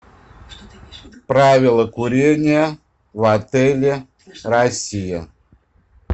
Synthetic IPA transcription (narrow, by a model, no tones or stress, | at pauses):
pɾavʲɪlˠəkuɾʲenʲɪjə | vat̪ɛlʲɪ | rasʲijə